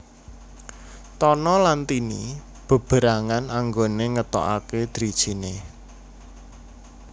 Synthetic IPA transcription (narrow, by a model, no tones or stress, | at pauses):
t̪ɔnɔlant̪ini | b̥ə̤b̥ə̤ɾaŋanaŋɡoneŋət̪ɔ̰ʔa̰ked̪̥ɾid̥ʒ̥i̤ne